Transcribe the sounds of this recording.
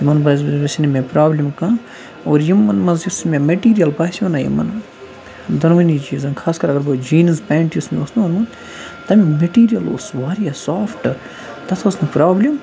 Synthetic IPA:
jimɐnbɐbɐsʲinimẽpɾaːblʲimkãː | oːɾjimːɐnmɐnzjusmʲẽmeʈiːɾijɐlbaːsɐnaːjḭmːɐ̰n | d̪ɐnʋɐnit͡ʃiːzɐnkʰaːskɐɾɐɡɐɾbɐːd͡ʒiːnɐspaːɳʈjusmeosnunun | t̪ɐmĩmɐʈiːɾijɐlo̰sʋaːɾiɐsaːfʈɨ | t̪ɐt̪ʰɐsnupɾaːblʲim

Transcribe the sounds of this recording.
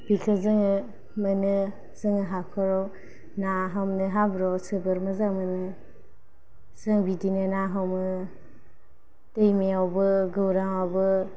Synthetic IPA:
b̥ikʰɯzɯŋɯ | mɯnɯ | zɯŋɯɦakʰɔɾɔw | naɦamnɯɦabɾɔwsɯbɯɾmɯzaŋmɯnɯ | z̥aŋbidinɯnaɦamɯ | tejmeawbɯɡɯwɾaŋawbɯ

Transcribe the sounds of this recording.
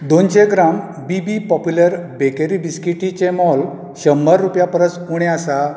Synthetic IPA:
d̪onɕeɡɾam | bibipɔpjuləɾbekeɾibiskiʈit͡ɕemɔl | ɕəmbəɾːupjapəɾət͡skuɽ̃easa

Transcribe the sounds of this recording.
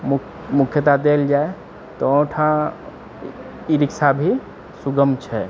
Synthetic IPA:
m | mukʰjət̪ad̪eld͡ʒae | t̪ɔõʈʰã | iɾiksabʱi | suɡəmt͡ʃʰɛ

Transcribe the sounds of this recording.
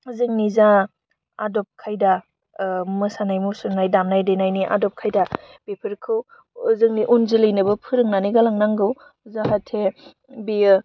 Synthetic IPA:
zɯŋniza | adɔp̚kʰajda | mɯsanajmusunajdamnajdejnajniʔa̰dɔp̚kʰajda | b̥epʰɯɾkʰɯw | zɯŋniʔunzɯlɯjnɯbɐpʰɯɾɯŋnaniɡalaŋnaŋɡɯw | zaɦatʰe | bi

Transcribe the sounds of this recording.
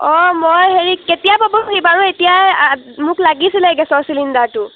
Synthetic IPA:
ɔmojɦeɹiketijapabɔkibaɹuetijajamʊklaɡisilɛɡɛsɔsilindatʊ

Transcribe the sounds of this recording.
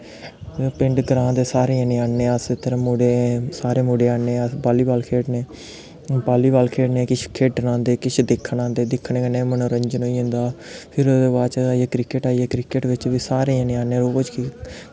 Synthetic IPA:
pɪ̃ɳɖɡəɾãːd̪eːsaːɾeãːnẽːaːnːẽːəset̪əɾãːmoːɖeːsaːɾẽːmoːɖeːaːnẽːəbaːliːbaːlkʰeːʈneː | baːliːbaːlkʰeːʈneːkɪt͡ʃʰkʰeːʈːənãːnd̪eːkɪt͡ʃʰd̪ɪkʰːnãːnd̪eːd̪ɪkʰːɳẽːkənẽːmənõːɾəɲd͡ʒənoːiːɦʊ̃nd̪aːpʰɪɾod̪eːbaːt͡ʃəaːieːkɾɪkəʈaːieːkɾɪkəʈʋɪt͡ʃʋiːsaːɾeːãːnẽːaːnẽːɾoːd͡ʒki

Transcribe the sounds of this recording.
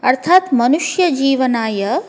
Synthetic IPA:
ɐɾt̪ʰaːt̪mɐnuʃjɐd͡ʒiːʋɐnaːjɐ

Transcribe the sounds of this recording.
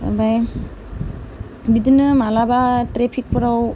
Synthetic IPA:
baj | bidɯnɯmalabatɾepʰik̚pʰɯɾaw

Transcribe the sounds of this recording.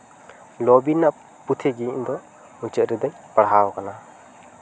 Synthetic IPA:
lɔbinːaʔ | put̪ʰeɡiɲd̪ɔ | uɲt͡ʃəʔɾid̪əɲ | pəɽɦawɔkana

